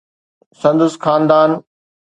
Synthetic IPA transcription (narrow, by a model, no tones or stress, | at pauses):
sɐ̃nd̪ʊsxaːnd̪aːn